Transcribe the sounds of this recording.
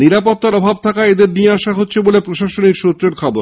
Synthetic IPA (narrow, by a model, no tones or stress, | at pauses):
niɾapot̪ːaɾɔbʱabt̪ʰakaed̪eɾnijeaʃaɦotːɕʰebolepɾoʃaʃonikʃut̪ːɾeɾkʰɔboɾ